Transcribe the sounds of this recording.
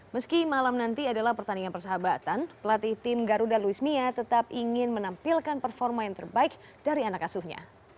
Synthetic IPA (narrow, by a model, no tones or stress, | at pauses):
məskimalamnant̪iadalahpərt̪anianpərsəɦabat̪anpəlat̪iht̪ɪmɡaɾudaluismiat̪ət̪ap̚iŋɪnmənampilkanpərfɔrmajaŋt̪ərbaɪk | d̥aɾianakːasuhɲa̰